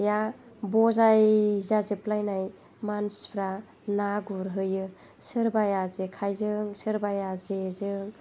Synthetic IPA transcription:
ja | bɔzajzazɯplajnaj | manspʰɾa | naɡuɾɦɯjɯ | sɯɾbajazekʰajzɯŋsɯɾbajazezɯŋ

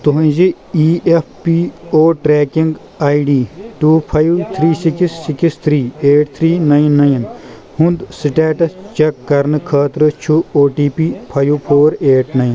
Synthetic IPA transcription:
t̪uɦɐ̃d͡ʒi | iːʔeppioːʈɾeːkiŋɡ | aːjɖiːʈuːpʰɐjwt̪ʰɾiːsikisːikist̪ʰɾiːeːʈ̚t̪ʰɾiːnɐjnːɐjn | hũnd̪siʈaːʈɐt͡ʃɐkːɐɾnɨkʰaːt̪ɾɨt͡ʃʰuoːʈiːpiːpʰɐjpʰoːɾeːʈnɐjn

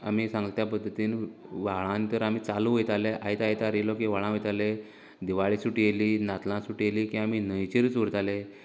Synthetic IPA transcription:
a̰miːsãŋɡəlt̪japəd̪ʱːət̪iːnʋaɭãnt̪əɾamiːt͡saluɦojt̪aleʔait̪ajt̪aɾilɔkĩʋaɭãojt̪ale | d̪iʋaɭisuʈijeliːnat̪lãsuʈijeliːkĩaminəjt͡ɕeɾt͡suɽt̪ale

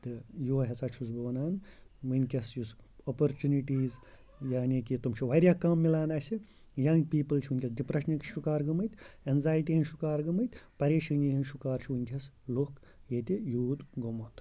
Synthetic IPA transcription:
t̪ɨjuːɦʲɐsat͡ʃʰusbɐʋɐnaːnʋɨnʲkʰʲɐsjusopoɾt͡ʃuniʈiːz | jaːnikit̪umt͡ʃʰiʋɐɾʲjakaːmːilaːnaːsʲi | jɐŋɡpiːpɨlt͡ʃʰiʋunʲkʲesɖipɾɐʃnɐkʃukaːɾɡɐmɐt̪ʲenzaːjʈiɦɐnʃukaːɾɡɐmɐt̪ʲpɐɾeːʃinʲiɦɐnʃukaːɾt͡ʃʰiʋɨnʲkʲɐs | lok | jet̪ʲijuːd̪ɡomot̪

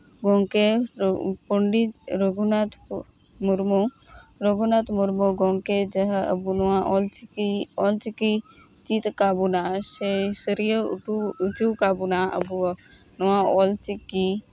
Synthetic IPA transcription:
ɡɔŋke | puɳɖit̪ɾoɡunat̪ʰ | muɾmoɾoɡunat̪ʰmuɾmoɡɔŋked͡ʒəɦə̰bunɔãʔɔlt͡ʃiɔlt͡ʃiki | t͡ʃit̪kabunaʃesəɾijəʈuut͡ʃukaːbunaʔə̰bu | nɔwãɔlt͡ʃikːi

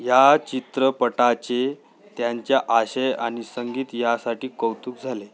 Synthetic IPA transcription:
jat͡ɕit̪ɾəpəʈat͡ɕe | t̪jaɲt͡ɕjaʔaɕejaɽ̃isəŋɡiːt̪jasaʈiːkəwt̪uːk̚d͡zʱale

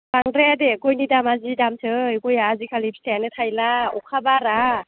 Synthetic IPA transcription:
b̥aŋdɾɛdekojnidamazidamtʰɯjɡojaːzikʰalipstʰɛnɯtʰajlaɔkʰabaɾa

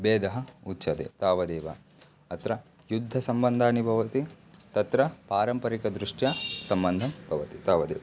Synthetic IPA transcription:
beːd̪ɐɦɐutːʃɐt̪ḛt̪aːʋɐd̪eːʋɐ̰ | ɐt̪ɾɐ | jud̪ʱːɐsɐmbɐnd̪ʱaːnibʱɐʋɐt̪i | t̪ɐt̪ɾɐpaːɾɐmpɐɾikɐd̪ɾuʂʈjasɐmbɐnd̪ʱɐmbʱɐʋɐt̪it̪aːʋɐd̪ḛːʋɐ

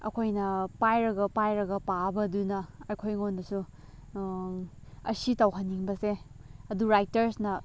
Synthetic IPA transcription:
ɐ̰kʰojnɐpajɾɐɡɐpajɾɐɡɐpabɐdunɐɐkʰojŋondɐsu | ɐ̰sitɐwɦɐnːiŋbɐseɐduɾajtɐɾsnɐ

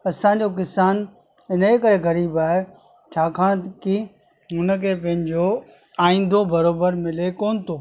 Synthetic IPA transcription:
ɐsãɲ̆d͡ʑok̬ɪsaːn | ɪnəekəɾeɣɐɾiːbaːɦe | t͡ɕʰaːkʰaːɽ̃ki | ʊnə̆kʰeːpɐ̃ɦɪ̃ɲd͡ʑo | aːĩːn̆d̪ʱobɐɾoːbəɾmɪlekoːnɪt̪ʰoː

